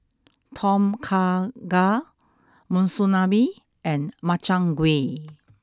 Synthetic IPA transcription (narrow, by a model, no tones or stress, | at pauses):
tʰɔ̃mkʰaɡa | mũnsunabi | ʔɛ̃nmat͡ʃãŋɡwe